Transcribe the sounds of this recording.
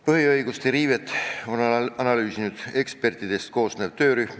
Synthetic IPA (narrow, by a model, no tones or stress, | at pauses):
pɤɦiɤjɡust̪eɾiːve̞t̪ːˑo̞nɑnɑlyːsinud̪̥e̞kspe̞rt̪id̪̥e̞st̪̚ko̞ːsne̞ːv̥t̪ø̞ːɾyhm